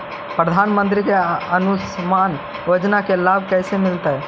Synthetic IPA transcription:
pɾəd̪ʱaːnmə̃nt̪̬ɾikeɐnʊsmaːn | ʋɐd͡ʒnakelaːbʱkɛːsemɪlt̪aɦɛː

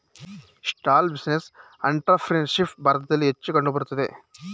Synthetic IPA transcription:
sʈaːlbisnes | ɐ̰ɳʈɐpʰɾenʂipʈbʱɐːɾɐt̪ɐd̪ɐlːiɦet͡ʃːukɐɳɖubɐɽut̪ɐd̪ḛ

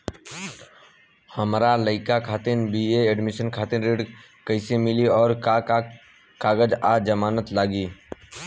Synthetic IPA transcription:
həmɾaləɪkakʰaːt̪enbieeɖmɪʃənkʰaːt̪ɪnɾeːɖ | kəɪsemɪliɔːɾa | kaːɡəd͡ʒad͡ʒəmaːnət̪laːɡiː

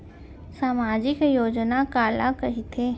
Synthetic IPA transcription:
saːmaːd͡ʒɪkjoːd͡ʒnakaːlakɐɦit̪ʰeː

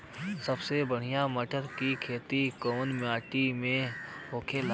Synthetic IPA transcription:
səbsebəɽ̤ijãməʈəɾkikʰeːt̪ikoːnmɪjaːʈimẽɦoːkʰel

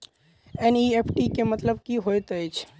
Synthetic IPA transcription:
ɛniepʰʈikemət̪ləb̚kiɦojt̪əjt͡ʃʰ

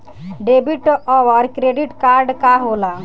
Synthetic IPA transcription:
ɖebiʈʔɔwəɾkɾeɖiʈkaɾɖkaɦola

